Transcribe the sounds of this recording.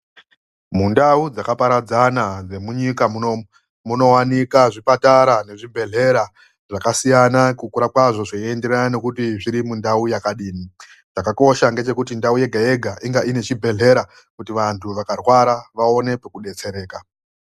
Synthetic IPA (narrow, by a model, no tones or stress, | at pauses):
mundaud͡zakapaɾad͡zanad͡ze̞muɲikamuno | muno̞wanikaʐipataɾane̞ʐibʱe̞ɮe̞ɾa | ʐakasijanakukuɾakwaʐo̞ʐoiende̞ɾanane̞kutiʐiɾimundaujakaɗiːni | t͡ʃakako̞ʃaŋɡe̞t͡ʃe̞kutindauje̞ɡʱaje̞ɡʱaʔiŋɡaʔine̞t͡ʃibʱe̞ɮe̞ɾa | kutiʋantʰuʋakarwaɾaʋao̞ne̞pekuɗe̞t͡se̞ɾe̞ːka